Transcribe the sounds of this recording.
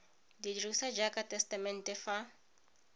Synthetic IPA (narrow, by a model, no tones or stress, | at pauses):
didrusad͡ʒakʼatʼɛstamɛntʼɛfa